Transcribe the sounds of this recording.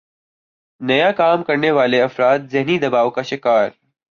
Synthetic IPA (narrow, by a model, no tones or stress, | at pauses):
nɐjakaːmkɐɾneʋaːleɐfɾaːt̪̚zɪɦnid̪ɐbaːʋokaʃɪkaːɾ